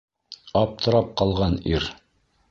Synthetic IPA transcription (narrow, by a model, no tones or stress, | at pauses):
ɑp̚t̪ʰɤ̆ɾɑp̚qɑlˠʁɑniɾ